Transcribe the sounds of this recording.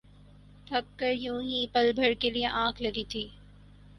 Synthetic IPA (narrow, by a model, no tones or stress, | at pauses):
t̪ʰɐk̚kɐɾjũːɦipɐlbʱɐɽkelieʔãːkʰlɐɡit̪ʰiː